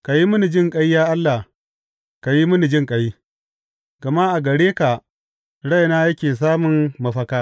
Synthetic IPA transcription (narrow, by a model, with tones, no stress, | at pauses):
ka˨ji˦mʊ˦ni˨d͡ʒɪ˦ŋkʼɐ˦jjaː˦ʔa˦lːa˨ | ka˨ji˦mʊ˦ni˨d͡ʒɪ˦ŋkʼɐ˨ji˦ | ɡ̥ɐ˨ma˦ʔa˨ɡɐ˨ɽeː˦ka˨ | ɽa˦jnaː˦jɐ˦kʲeː˨s̬aː˦mʊ˨ŋmɐ˦ɸɐ˦kaː˦